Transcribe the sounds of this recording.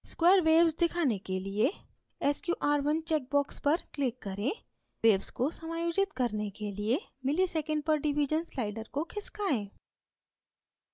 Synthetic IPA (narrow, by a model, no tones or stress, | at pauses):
skweːəɾʋeːbzd̪ɪkʰaːnekelie | ɛskjuːʔaːɾʋɐnt͡ʃɛːk̚bɔːkspɐɾklɪkːɐɾẽː | ʋeːbzkosɐmaːjoːd͡ʒɪt̪kɐɾnekelie | mɪlisɛːkə̃ɳɖ̚pɐɾɖɪʋid͡ʒənslaːɪɖəɾkokʰɪskaːẽː